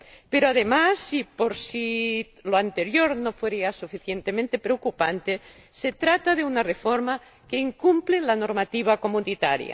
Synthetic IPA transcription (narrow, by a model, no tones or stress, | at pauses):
peɾoaðemasipoɾsi | loant̪eɾjoɾnofweɾiasufiθjent̪emẽnt̪epɾeokupant̪e | set̪ɾat̪aðeunarefoɾma | keiŋkumplelano̞ɾmat̪iβ̞akomunit̪a̰ɾja̰